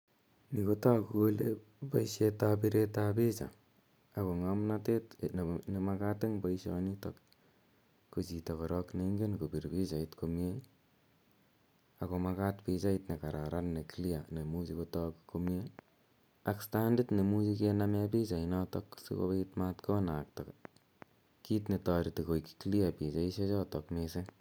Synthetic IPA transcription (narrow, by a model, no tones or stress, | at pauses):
nikotakukole | paiʃjetapiɾetapit͡ʃa̰ | akoŋamnatetnnimakateŋboiʃjɔ̰nitɔk̚ | kot͡ʃitɔkoɾɔkneŋɡenkopiɾpit͡ʃaitkomje | akomakatpit͡ʃaitnekaɾʔaɾannekilianemut͡ʃikotɔkkomje | akstanditnemut͡ʃikenamɛpit͡ʃainɔtɔksḭko̰eitmatkɔnak̚tɔk | kitnetaɾitikojki̥kliapit͡ʃaiʃɔt͡ʃɔtɔkmese